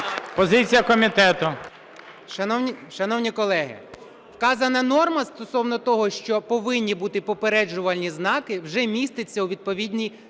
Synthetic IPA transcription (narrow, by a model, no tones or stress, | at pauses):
pɔzɪt͡sʲijɐkɔmʲit̪ɛt̪ʊ | ʃɐnɔiʃɐnɔwnʲikɔlˠɛɦɪ̰ | wkɑzɐnɐnɔrmɐst̪ɔsɔwnɔt̪ɔɦɔʃt͡ʃɔpɔʋɪnʲːibut̪ɪpɔpeɾɛd͡ʒʊʋɐlʲnʲiznɑkɪwʒɛmʲist̪ɪt͡sʲːɐuʋʲid̪̚pɔʋʲid̪ʲnʲij